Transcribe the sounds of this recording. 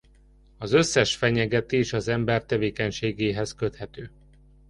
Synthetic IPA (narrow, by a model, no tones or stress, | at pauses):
ɒzø̞sːɛʃfɛɲɛɡɛt̪eːʃɒzɛmbɛrt̪ɛveːkɛɲʃeːɡeːɦɛskø̞t̪hɛt̪øː